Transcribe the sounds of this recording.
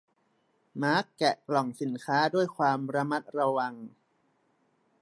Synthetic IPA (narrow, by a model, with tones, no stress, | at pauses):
maː˦˥kːɛ˨˩klɔ˨˩ŋsi˩˦nkʰaː˦˥du˥˩əjkʰwaː˧mɾa˧ma˦˥t̪̚ɾa˧wa˧ŋ